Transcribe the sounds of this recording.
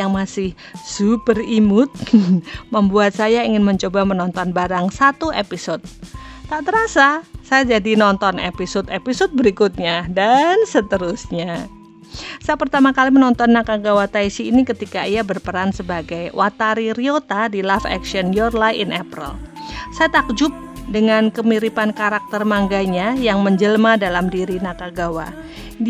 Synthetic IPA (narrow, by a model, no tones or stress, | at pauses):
jaŋmasɪh | z̥upərimʊt̪̚məmbuat̪̚sajaiŋɪnməɲt͡ʃobamənɔnt̪ɔnbaɾaŋsat̪uepisɔt̪̚ | t̪aʔt̪əɾasasajad͡ʒadinɔnt̪ɔnḛpisɔt̪episɔt̪̚bəɾikut̪̚ɲadansət̪əɾusɲa | sajapərt̪amakalimənɔnt̪ɔnːakaɡawat̪aisiːnikət̪ikaiabərpəɾansəbaɡajwʔat̪aɾiɾiot̪adilafɛ̰kʃiɔnjɔrlajɪ̰nʔapɾə̰l | sajat̪ak̚d͡ʒʊp̚ | dəŋankəmiɾipankaɾak̚t̪ərmaŋɡaɲajaŋməɲd͡ʒəlmadalamdiɾinakaɡawa̰